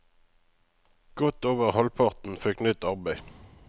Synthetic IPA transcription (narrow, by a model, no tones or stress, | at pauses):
ɡ̥ɔt̪oːʋəʁhɔlpʰɑʁt̪n̩fɛknʏt̪ɑʁbæɪ